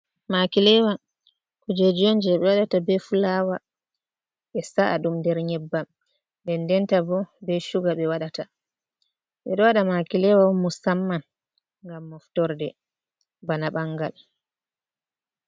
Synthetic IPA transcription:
makilɛwa | kɔd͡ʒed͡ʒond͡ʒɛɛɓɛwaɗatabɛfulawa | ɓɛsaʔaɗumdɛɾɲɛbːam | ndɛndɛntabɔbɛʃuɡaɓɛwaɗata | ɓɛɗɔwaɗamakilɛwamusamːan | ŋɡamːɔftɔɾdɛ | banaɓaŋɡa̰l

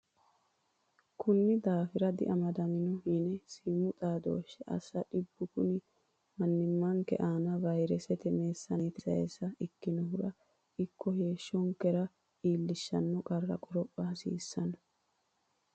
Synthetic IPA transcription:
kʰʊnːɪd̪aːfɪɾɐd̪ɪ̰ʔɐmɐd̪ɐmɪnɔhinɛsiːmʊt̪ʼaːd̪o̞̰ːʃːɛʔɐ̰sːɐᶑɪbːʊkʊnɪ | mɐnːɪmːɐŋkɛ̰ʔaːnɐvɐjɾɛsɛt̪ɛmeːsːɐnet̪ɪsɐɛ̰sːɐɪkːɪnɔhʊɾɐ | ʔɪkːɔheːʃːɔŋkːɛɾɐ | iːlːɪʃːɐnːɔkʼɐrːɐ̰kʼɔɾɔpʼːɐsḭːsːɐnɔ

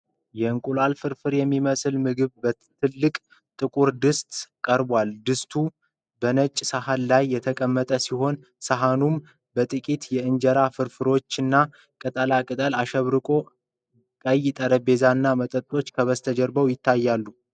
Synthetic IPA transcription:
jɛɨŋkʼulalfɨɾfɨɾjɛmːiməsɨlmɨɡɨβbə | t̪ʰɨlːɨkʼ | t̪ʼɨkʼuɾd̪ɨst̪ʼkʼəɾbwald̪ɨst̪ʰu | bənət͡ʃʼːsəɦalːajːɛt̪ʰəkʼəmːət̪ʼəsiɦo̞n | səɦanum | bət̪ʼɨkʼit̪jɛɨnd͡ʒɛɾafɨɾfɨɾo̞t͡ʃːɨnːa | kʼɨt̪ʼəlakʼɨt̪ʼəlaʃəβɾɨkʼo̞ | kʼəjːɪt̪ʼəɾəbe̞zanːamət̪ʼət̪ʼo̞t͡ʃːkʰəβəst̪ʰəd͡ʒɛɾbəwjɪt̪ʰːajːalːu

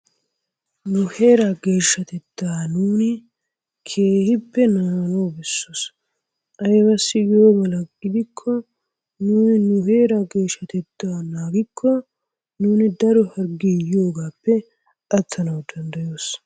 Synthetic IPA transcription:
nʊhe̞ːɾaɡe̞ːʃːɐt̪ɛt̪ːaːnuːnɪ | kʰe̞ːhɪpːɛnaːnoːbɛsːos | ʔɐjbɐsːɪjoːmɐlɐɪd̪ɪkʰːɔ | nuːnɪnʊhe̞ːɾaɡe̞ːʃːɐt̪ɛt̪ːaːnaːɡɪkʰːɔ | nuːnɪd̪ɐɾɔhɐɾɡiːjo̞ːɡaːpːɛ | ʔɐt̪ʰːɐnɐwd̪ɐnd̪ɐjo̞ːs

